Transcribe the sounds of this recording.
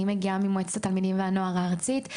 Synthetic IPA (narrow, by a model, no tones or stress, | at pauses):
imeɡiamimoet͡statalmidimveano̞aʁaːʁt͡sit